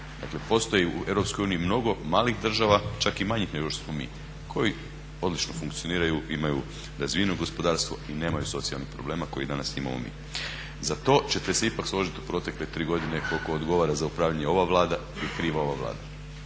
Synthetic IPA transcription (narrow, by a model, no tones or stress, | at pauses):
d̪a̰kle̞po̞st̪o̞jiṵe̞ʋɾopskojuːniimno̞ɡo̞maːlixd̪r̩ʒaʋat͡ʃakimaɲixneɡoʃt̪osmo̞mḭː | kʰo̞ji | o̞d̪lit͡ʃno̞fuŋkt̪ijo̞niːɾajuimaju | d̪azʋinoɡo̞spo̞d̪aːɾst̪ʋo̞̰ine̞ːmajuso̞t̪sialnixpɾo̞̰ble̞ːmako̞jid̪anasḭma̰mo̰mḭː | zat̪o̞t͡ɕe̞t̪eseipakslo̞ʒit̪u̥pɾo̞t̪e̞kle̞t̪ɾiːɡo̞d̪ine̞ko̞lko̞od̪ɡo̞ʋaɾazaupɾaːʋʎaɲeo̞ʋaʋlˠaːd̪a | ilikɾiːʋao̞ʋaʋlˠa̰ːd̪a